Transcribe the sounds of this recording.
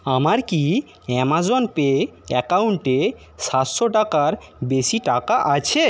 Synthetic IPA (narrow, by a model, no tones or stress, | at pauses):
amaɾki | ɛmad͡ʑɔnpeɛkawɳʈe | saʃoʈakaɾbeʃiʈakaʔat͡ɕʰe